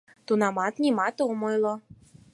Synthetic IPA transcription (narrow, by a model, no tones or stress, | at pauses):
t̪unɑmɑt̪nʲimɑt̪oomɤjlˠɔ